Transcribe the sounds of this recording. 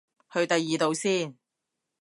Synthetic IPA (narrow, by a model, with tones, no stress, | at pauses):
hɵ˧ɥt̪ɐ˨jːiː˨t̪o˨˧wsiː˥˩n